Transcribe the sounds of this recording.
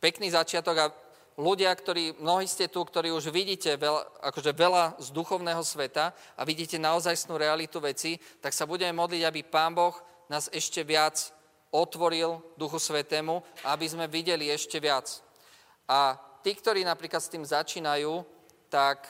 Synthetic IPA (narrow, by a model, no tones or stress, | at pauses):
pɛkniːzat͡ʃɪat̪ɔɡa | luɟɪakt̪ɔɾiːmnɔɦiːscɛt̪ukt̪ɔɾiːuʒʋiɟiːcɛʋɛa̰kɔʒɛʋɛlazd̪uxɔʊnɛːɦɔsʋɛt̪a | ʔa̰ʋiɟiːcɛnaɔzajsnuːɾɛalit̪uʋɛt͡sit̪aksabuɟɛmɛmɔd̪liɟabipaːmbɔx | naːzɛʃcɛʋɪat͡s | ɔt̪ʋɔɾild̪uxusʋɛt̪ɛːmuaabizmɛʋiɟɛliɛʃcɛʋɪat͡s | ʔat̪iːkt̪ɔɾiːnapɾiːklat̪st̪iːmzat͡ʃiːnajuː | t̪ak